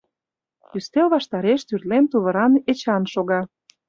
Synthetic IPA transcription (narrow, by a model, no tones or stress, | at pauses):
yst̪elβɑʃt̪ɑɾeʃt̪yrt̪lemt̪uβə̆ɾɑnet͡ɕɑnʃoɣɑ